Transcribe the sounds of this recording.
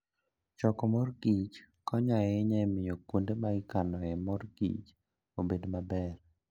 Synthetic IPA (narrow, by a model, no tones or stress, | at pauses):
t͡ʃɔkɔmɔrɡit͡ʃ | kɔɲaɛɛɲamɪjokwondemaɡɪkanɔjɛmɔrɡḭt͡ʃ | obedmabɛr